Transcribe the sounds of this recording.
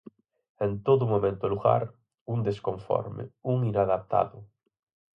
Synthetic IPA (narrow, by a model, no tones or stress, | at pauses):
ẽnt̪oðumomẽnt̪ʊluɣa̰ɾ | und̪eskõɱfɔ̰ɾmḛuŋinaðap̚t̪a̰ðʊ